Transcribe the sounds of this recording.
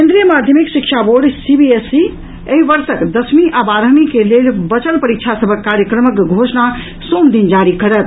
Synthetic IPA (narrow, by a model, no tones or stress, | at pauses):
kend̪ɾijəmad̪ʱjəmiksikt͡ʃʰaboɾɖsibiesi | əɦibəɾsəkd̪əsmiʔabaɾəmikelelbət͡ʃəlpəɾik̚t͡ʃʰasəbʱəkːaɾjəkɾəməkɡʱosna | sond̪ind͡ʒaɾikəɾət̪̚